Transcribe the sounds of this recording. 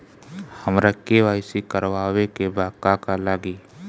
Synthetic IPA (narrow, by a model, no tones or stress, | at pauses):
həmɾəkːeʋaːsikəɾʋaːwekebʱaːkakalaːɡiː